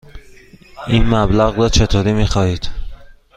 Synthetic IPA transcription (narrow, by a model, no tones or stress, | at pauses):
ʔinmæblæɣrɒːt͡ʃʰe̞t̪ʰoːɾiːmiːxɒːhiːd̪̥